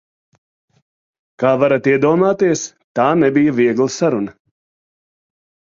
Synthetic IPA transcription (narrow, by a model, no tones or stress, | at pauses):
kaːvaɾat̪iɛd̪uɔmaːt̪iɛs | t̪aːnɛbijaviɛɡlˠɐsaɾunɐ